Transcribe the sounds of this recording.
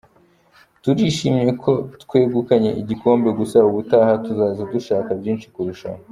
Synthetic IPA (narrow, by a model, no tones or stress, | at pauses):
tuɾiʃimɲe̞kʰo̞tkwe̞ːɡukaɲe̞ʔiɟiko̞ːmbe̞ɡusauβutaːhatuzaːzeduʃaːkabɟiːnʃi̥kuɾuʃa̰m